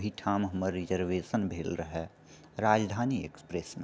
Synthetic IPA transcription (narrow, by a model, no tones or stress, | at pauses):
ɦiʈʰaːmɦəməɾːid͡ʒəɾʋeːsənbʱeːlɾəɦɛ | ɾaːd͡ʒd̪ʱaːniḛkspɾesme